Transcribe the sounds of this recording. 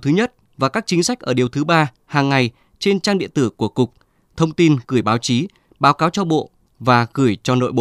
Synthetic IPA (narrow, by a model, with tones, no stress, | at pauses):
t̪ʰɨ˨˦ɲə˦˥t̚ | vaː˨˩kaː˦˥k̚t͡ɕï˨˦ŋ̟sa˦˥jk̚ʔəː˧˩ɗi˨˩əwt̪ʰɨ˨˦ɓaː˧ | haː˨˩ŋːa˨˩j | t͡ɕe˧nt͡ɕaː˧ŋɗḭ˧˨ənt̪ɨ˧˩ku˧˩əkʊ˨˩k͡p̚ | t̪ʰə˧wŋ͡mt̪i˧nɣɨ˧˩əjɓaː˨˦wt͡ɕi˨˦ | ɓaː˨˦wkaː˨˦wt͡ɕɔ˧ɓo̰˧˨ | vaː˨˩ɣɨ˧˩əjt͡ɕɔ˧no̰˧˨jɓo̰˧˨